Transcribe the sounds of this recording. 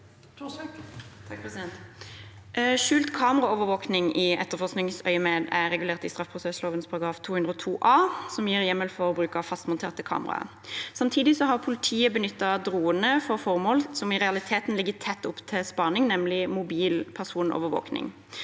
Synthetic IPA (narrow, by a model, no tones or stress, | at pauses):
ʃʉːlt̪kʰɑːməʁɑoːʋəɾʋoːknɪŋɪɛt̪ːəʁfɔʁsknɪŋsœʏəmeːd̪æʁɛɡʉleːʁt̪ɪst̪ʁɑfpʰʁʊsɛsloːʋənspʰɑʁɑɡɾɑːft̪ʰuːʉnd̪ɾɔːt̪ʰuːʔɑːsɔmjiːʁjɛmːəlfɔʁɔbʁʉːkɑfɑst̪mʊnt̪ʰeːʁt̪əkʰɑ̰ːməʁɑ̰ | sɑmt̪ʰiːd̪ɪsɔɦɑʁpʰʊlɪt̪ʰiːəbənʏt̪ːɑd̪ʁuːənəfɔʁfɔʁmoːlsɔmɪʁɛɑlɪt̪ʰeːt̪n̩lɪɡːət̪ʰɛt̪ːʊpt̪ʰɪspɑʁnɪŋnɛmlɪmʊbiːlpʰæʁsuːnʔɔ̰ʋəʋo̰ːknɪ̰ŋ